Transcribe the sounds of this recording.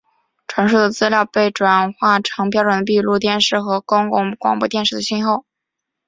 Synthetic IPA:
ʈ͡ʂʰwa˧˥nʂu˥˩d̪ə˩t͡sɹ̩˥ljɑ˥˧ʊpe˥˩ɪʈ͡ʂwa˨˩nxwa˥˩ʈ͡ʂʰɤ˧˥ŋp̬jɑ˥ʊʈ͡ʂwə˨˩nd̪ə˧pi˥˧lu˥˧t̪jɛ˥˧nʂɻ̩˥˩xɤ˧˥ko˥ŋkʊ˥˩ŋkwɑ̰˨˩ŋpɔ˥t̪jɛ˥˧nʂɻ̩˥˩d̪ə˩ɕi˥nxo˥˩ʊ

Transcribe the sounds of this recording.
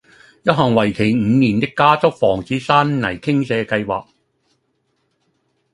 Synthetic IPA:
jɐ˥t̚ɦɐː˨˩ŋwɐ˨˩jkʰe˨˩jŋ̩ː˨˧niː˨˩nt̪ɪ˥kːaː˥t͡sʊ˥k̚fɔː˨˩ŋt͡siː˨˥saː˥nnɐ˨˩jkʰɪ˥ŋsɛː˨˧kɐ˧jwa̰ː˨k̚

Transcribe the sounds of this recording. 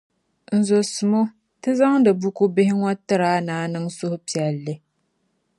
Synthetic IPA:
n̩˨zo˨sɨ˨mo˦ | tɨ˦za˦ŋdɨ˨bu˦ku˦bɪ˦hɪ˦ŋɔ˦tɨ˦ɾaː˦naː˨˦˨nɨ˦ŋsʊ˦hʊ˦pi˨ɛ˨lːɨ˦

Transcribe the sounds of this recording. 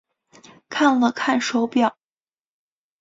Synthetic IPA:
kʰa˥˩nlə˨˩kʰa˥˩nʂo˧˥ʊpjɑ˥˩ʊ

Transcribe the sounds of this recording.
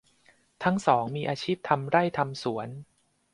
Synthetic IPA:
t̪ʰa˦˥ŋsɔː˩˦ŋmiː˧ʔaː˧t͡ɕʰiː˥˩p̚t̪ʰa˧mɾa˥˩jt̪ʰa˧msu˩˦ən

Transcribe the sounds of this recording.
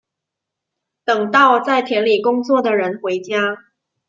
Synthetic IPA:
t̪ɤ˨˩ŋt̪ɑ˥˧ʊt͡sa˥˩ɪt̪ʰjɛ˧˥nli˨˩kʊ˥ŋt͡swɔ˥˩d̪ə˩ɻə˧˥nxwe˧˥ɪt͡ɕja˥

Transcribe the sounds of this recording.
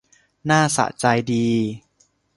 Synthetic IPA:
naː˥˩sa̰˨˩t͡ɕa˧jdiː˧

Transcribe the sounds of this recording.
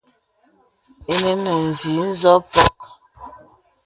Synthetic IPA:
e˦ne˦nə˨n̩˨zi˨˦n̩˦zɔ˦pɔ˦k̚

